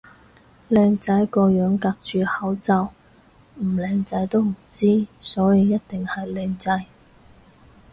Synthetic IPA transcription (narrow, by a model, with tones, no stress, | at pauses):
lɛː˧ŋt͡sɐ˨˥jkɔː˧jœː˨˥ŋkaː˧k̚t͡ʃyː˨hɐ˨˥wt͡sɐ˨˧w | m̩˨˩lɛː˧ŋt͡sɐ˧˥jt̪o˥wm̩˨˩t͡siː˥sɔː˨˥jiː˧jɐ˥t̚t̪ɪ˨ŋhɐ˨jlɛː˧ŋt͡sɐ˧j